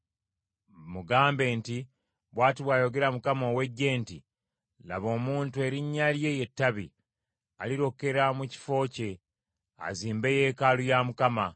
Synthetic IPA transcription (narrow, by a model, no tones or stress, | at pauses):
muɡaːmbe̞ːnti | βwaːtiβwajo̞ɡe̞ɾamukamoːwe̞ɟːe̞ːnti | la̰βo̞ːmuːntue̞ɾiɲːalje̞je̞tːaβḭ | aliɾo̞ke̞ɾamuci̥fo̞ːce̞ | a̰ziːmbe̞je̞ːkalujamukama